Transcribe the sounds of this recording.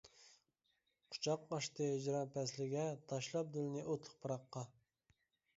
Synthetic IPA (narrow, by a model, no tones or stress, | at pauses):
qʰʊ̥t͡ʃʰɑqɑʃt̪ɨɪd͡ʒɾɑnpʰɛslɪɡʲɛt̪ʰɑʃlˠɑp̚d̪ɪlɪnɪʔot̪ʰlˠə̥q̚pʰɑɾɑqːɑ